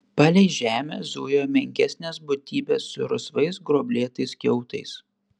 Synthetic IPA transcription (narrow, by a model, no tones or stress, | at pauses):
pɑlʲɛɪʒʲæːmʲezuːjoːmʲɛŋʲkʲæsʲnʲeːsbʊt̪ʲiːbʲesːʊ̰ɾʊsʋɐɪsɡɾoːbʲlʲeːt̪ɐɪskʲɛʊt̪ɐɪs